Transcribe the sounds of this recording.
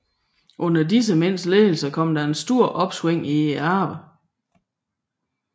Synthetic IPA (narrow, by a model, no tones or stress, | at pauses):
ʔɔ̽n̰ɐdis̬əmen̰sleːl̩sɐkʰɒ̽m̰d̥ɑ̈e̝nsd̥o̝ɐ̰ʔɒ̽b̥sweŋ̰iæːʋə